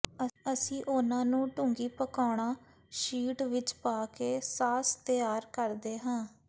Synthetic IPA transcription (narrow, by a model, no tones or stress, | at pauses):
əəsĩːʔʊnãːnũːʈʊŋɡiːpəkaːɽ̃aː | ʃiːʈʋɪt͡ʃpaːkeːsaːst̪əjaːɾkəɾd̪eːɦãː